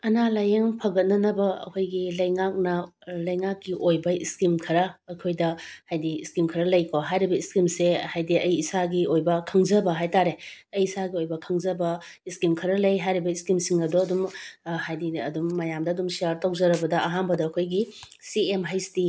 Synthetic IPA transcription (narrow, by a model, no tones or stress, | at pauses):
ɐnalajeŋpʰɐɡɐt̚nɐnɐbɐɐ̰kʰojɡilɐjŋak̚nɐlɐjŋakːiʔojbɐiskimkʰɐɾɐːjkʰojdɐhajdiiskimkʰɐɾɐlɐjkʰoɦajɾibɐiskimsehajdiɐjisaɡiojbɐkʰɐŋd͡ʒɐbɐɦajtaɾeɐjisaɡiojbɐkʰɐŋzɐbɐ | iskimkʰɐɾɐlɐjɦajɾibɐiskimsiŋɐdoɐdumhajdiɐ̰dumːɐjamdɐɐdumsijaɾtow̚zɐɾɐbɐdɐʔɐɦanbɐdɐːkʰojɡi | siemɦɐjsti